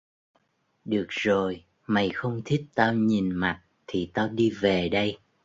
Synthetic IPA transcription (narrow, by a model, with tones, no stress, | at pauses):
ɗɨ˨˩ək̚zo˨˩j | ma˨˩jxə˧wŋ͡mt̪ʰi˦˥t̚t̪aː˧wɲi˨˩nma˨˩t̚t̪ʰi˨˩t̪aː˧wɗi˧ve˨˩ɗə˧j